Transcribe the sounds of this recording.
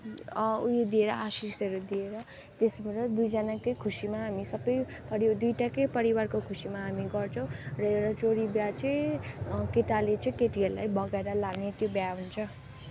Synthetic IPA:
ujed̪ieɾʌʔasisʌɾud̪ieɾʌ | t̪esmʌɾʌd̪ujd͡zʌnakʌjkʰusimaɦamisʌbʌjpʌɾid̪ujʈakʌjpʌɾiwarkokʰusimaɦamiɡʌrt͡sʰʌ̃w̃rʌewɾat͡soɾibjat͡sʌj | keʈalet͡sʌ̃j̃keʈɡella̰jbʌɡaeɾʌlaɡnet̪jobjaɦunt͡sʰʌ

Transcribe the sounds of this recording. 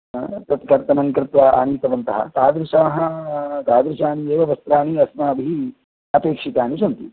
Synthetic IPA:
t̪ɐt̪kɐɾt̪ɐnɐŋkɾɪt̪ʋɐːa̰ːɳ̃it̪ɐʋɐnt̪ɐɦɐ̰t̪aːd̪ɾɪʃɐːɦɐ̆t̪aːd̪ɾiʃaːnieːʋɐʋɐst̪ɾaːɳiɐsmɐːɐbʱii | ɐpeːkʂik̪aːniʃɐnt̪i

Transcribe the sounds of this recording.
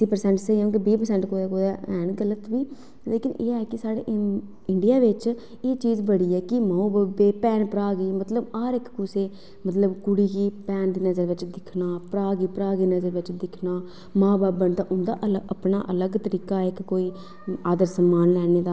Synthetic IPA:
t̪ːiːpəɾsɛ̃ːɳʈsəiɦõːkibiːpəɾsɛ̃ːɳʈkoːd̪eːkoːd̪aɛːnɡələt̪biː | leːkɪnḛːɛːkɪsaːɽḛːʔ | ɪɳɖijaːʋɪt͡ʃ | eːt͡ʃiːzbəɽiːɛːkɪmãːõːbaːbeːpɛːnpəɾaːɡiːmət̪ləbaːɾɪkkʊseː | mət̪ləbkʊɽiːɡiːpɛːnd̪iːnəzəɾʋɪt͡ʃd̪ɪkʰnaːpɾaːɡiːpəɾaːɡiːnəzəɾʋɪt͡ʃd̪ɪkʰnaː | mãːbaːbːənt̪ãːʔʊnd̪a̰ːʔələpna̰ːʔələɡt̪əɾiːkaːɪkːoːiː | aːd̪əɾsəmːaːnlɛːneːd̪aː

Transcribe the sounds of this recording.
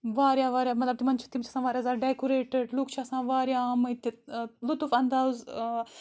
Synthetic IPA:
ʋaːɾjaːʋaːɾjaːmɐt̪lɐbt̪imɐnt͡ʃʰi̥t̪imt͡ʃʰɐsãːʋaːɾjaːzaːɖekuɾeːʈəɖlukt͡ʃʰɐsãːʋaːɾjamɨt̪ilut̪ufɐnd̪aːz

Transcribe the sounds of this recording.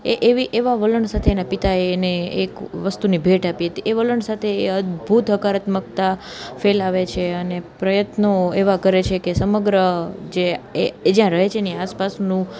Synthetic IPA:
eʔeʋiʔeʋaʋələɳsat̪ʰeːnapit̪aeneːkʋəst̪unibʱeʈapiɦət̪iʔeʋələɳsat̪ʰeːəd̪bʱut̪ɦəkaɾət̪mək̚t̪a | felaʋet͡ʃʰeənepɾəjət̪noeʋakəɾet͡ʃʰekesəməɡɾəd͡ʒeed͡ʒjãɾəɦet͡ʃʰeːniaspasnũ

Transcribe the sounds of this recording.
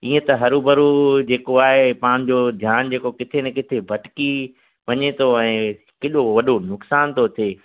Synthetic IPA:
iːẽt̪ɐɦɐɾubɐɾud͡ʑeːkoaːɦepaːɽ̃̆d͡ʑoːd̪ʱjaːnd͡ʑeːkokɪt̪ʰenɛ̃kɪt̪ʰebʱɐʈɪ̥ki | ʋɐɲet̪ʰoɛ̃ː | kɪɗoʋɐɗonʊksaːnt̪ʰot̪ʰeː

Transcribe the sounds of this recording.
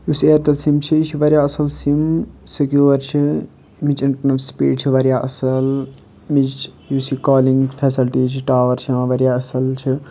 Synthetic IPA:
jusieːɾt̪ɐlsimt͡ʃʰiit͡ʃʰiʋɐɾjaːɐsɐlsimsekjoːɾt͡ʃʰi | mit͡ʃinʈnɐspḭːɖt͡ʃʰiʋɐɾjaːʔɐsɐl | mit͡ʃjuːsikaːliŋɡfʰeːsilʈiːt͡ʃʰiʈaːʋɐɾt͡ʃʰiãːʋɐɾjaːɐsɐlt͡ʃʰi

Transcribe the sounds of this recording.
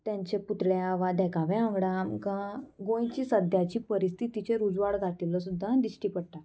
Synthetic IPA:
t̪jãɲt͡ɕeput̪ɭjeaʋad̪ɛkaʋɛ̃ãŋɡɽamkaɡõjt͡ɕiːsəd̪ʱjat͡ɕiːpəɾist̪ʰit̪it͡ɕeɾud͡zʋaɽɡʱat̪iləsud̪ʱːad̪isʈiːpəɽʈa

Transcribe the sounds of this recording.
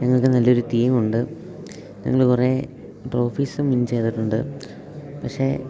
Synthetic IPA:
ɲɐŋːɐɭkːɨnɐlːɐoɾut̪ijɐmuɳɖɨ | ɲɐ̰ŋːɐɭkure | ʈro̞ːfiːsɨmint͡ɕe̞jt̪ːiʈːuɳɖɨ̰ | pɐkʂe̞

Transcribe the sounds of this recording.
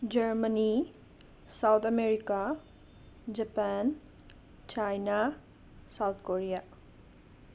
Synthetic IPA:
d͡ʒəɾməni | sawt̪ʰameɾika | d͡ʒɐpan | t͡ʃajna | sawt̪ʰkoɾija

